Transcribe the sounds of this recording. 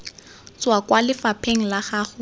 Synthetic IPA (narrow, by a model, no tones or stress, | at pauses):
t͡swakwalɪfapʰeŋ̩laχaːχʊ